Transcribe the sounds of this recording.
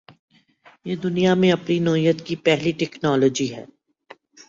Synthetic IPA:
jeːd̪ʊnijamẽɐpninɔːijət̪kipɛɦliʈɛknɔːloːd͡ʒiɦɛ̰ː

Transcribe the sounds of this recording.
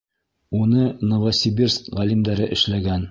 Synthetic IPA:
unɤnŏvɐsʲibʲirskʁælimd̪æɾɘʔɘ̆ʃlæɡæn

